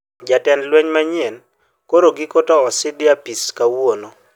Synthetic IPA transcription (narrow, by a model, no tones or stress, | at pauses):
d͡ʒatɛnlwɛɲmaɲjɛn | koɾoɡɪkotɔɔsɪdɪapiskawono